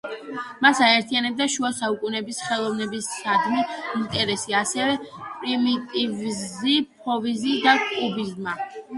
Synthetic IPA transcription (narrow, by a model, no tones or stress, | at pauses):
masaɛɾt̪ʰianɛb̚d̪aʃuasaukʼunɛbisχɛlˠɔvnɛbisːad̪miint̪ʼɛɾɛsiasɛvɛpʼɾimit̪ʼivzipʰɔvizid̪akʼubizma